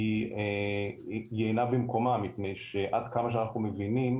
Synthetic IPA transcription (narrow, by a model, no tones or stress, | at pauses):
ie | jeːnabemko̞mamipne̞jʃeʔad̪kamaʃ̬eanaχnumevinim